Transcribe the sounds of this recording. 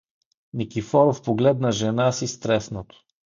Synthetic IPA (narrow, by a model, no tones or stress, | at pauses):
nikʲifɔɾofpoɡlɛd̪nɐʒɛnasist̪ɾɛsnot̪o̥